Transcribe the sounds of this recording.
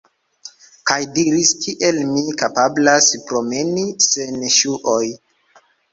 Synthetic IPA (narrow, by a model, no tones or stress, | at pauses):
kajdiɾistʰiʔe̞lmikapablaspɾo̞me̞nise̞nʃuʔoj